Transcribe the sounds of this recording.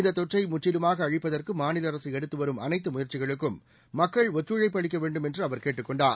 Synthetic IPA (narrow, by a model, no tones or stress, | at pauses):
ɪnd̪ɐt̪ːɔʈrɐɪmʊʈːɪlɯmaːɣɐːɻɪpːɐðɐrkɯmaːnɪlɐɾɐsiɛɽɯt̪ːɯʋɐɾɯmɐnɐɪt̪ːɯmʊjɐɾt͡ʃɪɣɐɭɯkːɯmː | ɐkːɐɭɔt̪ːɾɯɻɐɪpːɐɭɪkːɐʋeːɳɖɯmɛndrɯɐʋɐɾkeːʈːɯkːɔɳɖaːɾ